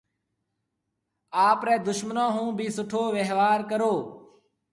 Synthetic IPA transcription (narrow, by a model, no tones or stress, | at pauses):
aːpɾɛːd̪ʊʃmənõːɦũːbʱiːsʊʈʰoːʋeɦʋaːɾkəɾoː